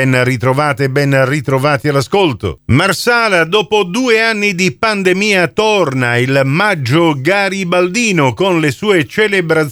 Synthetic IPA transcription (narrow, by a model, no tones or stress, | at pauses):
ɛnrit̪ɾovaːt̪eːbɛnrit̪ɾovaːt̪ialːaskolt̪o̰marsaːlad̪ɔːpod̪uːeanːid̪ipand̪emiːat̪ornailmad͡ʒːoɡaɾibald̪iːnokonlesuːet͡ʃelebɾat̪